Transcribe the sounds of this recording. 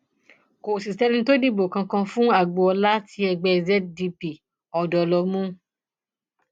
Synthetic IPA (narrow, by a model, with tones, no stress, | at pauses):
ko˨si˨tɛ˦lĩ˧˦to˦di˦˨bo˨kã˧kã˧fũ˦a˦˨ɡ͡bo˧ɔ˧la˦tʰi˧˦ɛ˧ɡ͡bɛ˧zɛ˦t̚di˧pi˨ | ɔ˨dɔ˨lɔ˧mũ˦